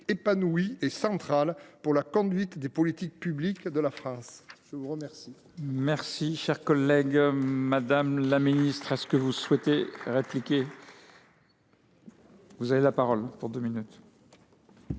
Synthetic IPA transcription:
epanuwiesɑ̃t̪χalpuʁlakɔ̃d̪ɥit̪d̪epɔlit̪ik̚pyblikd̪əlafχɑ̃sʒ̥əvuʁəmɛʁsi | mɛʁsiʃɛʁkɔlːɛɡmad̪amlaminist̪χɛsə̥kəvuswɛt̪eʁeplikʲe | vuzavelapaʁɔlpuʁd̪øminyt̪

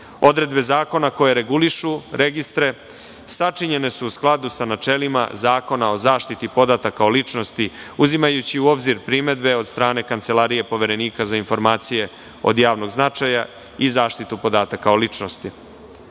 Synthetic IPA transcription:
o̞d̪ɾe̞d̪be̞zaːko̞nako̞jeɾe̞ɡuliʃuɾe̞ɡist̪ɾe̞ | sat͡ʂiɲe̞ne̞suːsklˠad̪usanat͡ʂelima̰zaːko̞nao̞zaːʃt̪it̪ipo̞d̪at̪akaolit͡ʂno̞st̪iuzimajut͡ɕiuo̞bziɾpɾime̞d̪be̞o̞d̪̥st̪ɾaːne̞kant̪se̞lˠaːɾije̞po̞ʋe̞ɾe̞niːkazainfo̞ɾmaːt̪sije̞ | o̞̰d̪jaːʋno̞ɡznat͡ʂaja | izaːʃt̪it̪upo̞d̪aːt̪akaolit͡ʂno̞st̪i

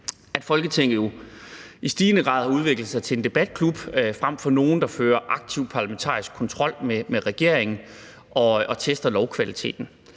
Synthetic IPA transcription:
æd̥fɒ̽lɡ̥ət͡sʰeŋ̰ð̩ˠjo̝ | isd̥iːnəɡ̥ʁɑ̰̈ːð̞ˠɑuð̞ˠʋe̝ɡ̥lð̩ˠsɑ̈ɪt͡sʰe̝le̝nd̥e̝b̥æd̥̚kʰlub̥fʁam̰fɒ̽no̝ːn̩d̥ɑ̈føːɐʔɑ̈ɡ̥̚t͡sʰiʊ̰pʰɑ̈læment͡sʰɑ̰̈ːisɡ̥̚kʰɒ̽nt͡sʰʁɒ̽l̰memeʁɛɡ̥e̝ɐ̰eŋn̩ | ʔɒ̽ʔɒ̽t͡sʰesd̥ɐlɒʊkʰʋælit͡sʰe̝̰ːd̥n̩

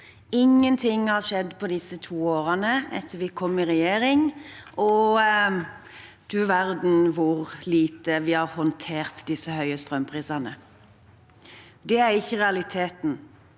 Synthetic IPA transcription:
ɪŋːənt̪ʰɪŋːhɑɾʃɛd̪ːpʰɔd̪ɪsːət̪ʰuːoːɾənəɛt̪ʰːəʋɪkʰɔmːɪɾɛjeːɾɪŋʔɔ | d̪̥ʉʋæɾd̪n̩ʋʊɾliːt̪əʋɪhɑɾhɔnt̪ʰeːɾt̪d̪ɪsəhœʏəst̪ɾœmpʰʁiːsɑnə | d̪ɛæɾɪçːəʁɛɑlɪt̪ʰeːt̪n̩

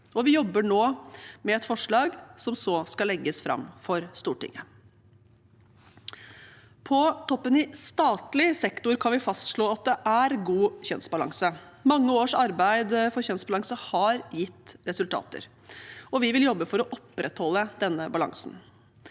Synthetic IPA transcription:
ɔʋɪjɔbːəɳoːmɛɛt̪fɔʂɭɑːɡsɔmsɔskɑlɛɡːəsfɾɑ̰mːfɔɾst̪uːʈɪ̰ŋːə | pʰɔt̪ʰɔpːənɪst̪ɑːt̪lɪsɛkt̪ʊɾkʰɑnʋɪfɑst̪ʂɭoːɑt̪̚d̪ɛʔæɾɡuːçœnsbɑlɑ̰ŋsə | mɑŋːəoːʂɑɾbæɪd̪fɔɾçœnsbɑlɑŋsəhɑɾjɪt̪ːɾɛsʉlt̪ʰɑ̰ːt̪ə̰ɾ | ɔʋɪʋɪljɔbːəfɔɾɔʔɔpːɾʔɛt̪hɔlːəd̪ɛnːəbɑlɑ̰ŋsn

